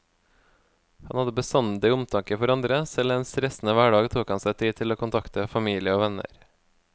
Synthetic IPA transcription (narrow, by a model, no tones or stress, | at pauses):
hɑnhɑd̪əbəsɑnət̪iːʊmt̪ʰɑŋkəfɔɾɑnd̪ɾəsɛlɛnsɾɛsn̩əʋæːɖɑːɡt̪ʰuːkhɑnsæɪt̪ʰiːt̪ʰɪloːkʊnt̪ʰɑkt̪əfɑmiːlɪəoːʋɛnə̰ɾ